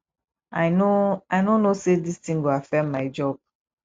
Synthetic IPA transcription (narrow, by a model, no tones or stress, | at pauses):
aɪnoaɪnõnːosedistĩŋɡoafɛ̃mːaɪd͡ʒɔb̥̚